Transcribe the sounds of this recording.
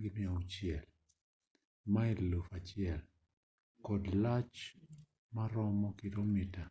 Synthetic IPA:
ɡɪniaot͡ʃɪɛl | maellofat͡ʃɪɛl | kɔdlat͡ʃ | maɾɔmɔkɪɾomita

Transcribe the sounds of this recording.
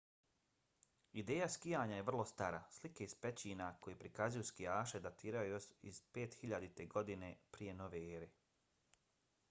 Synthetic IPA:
id̪eːjaskijaːɲajeʋr̩lˠo̞st̪aːɾaslikeizpet͡ɕiːnako̞jepɾikazujuskijaːʃe̞d̪at̪iːɾajujosiz̥peːt̪xiʎad̪it̪e̞ɡo̞d̪inepɾije̞no̞ʋeeːɾe

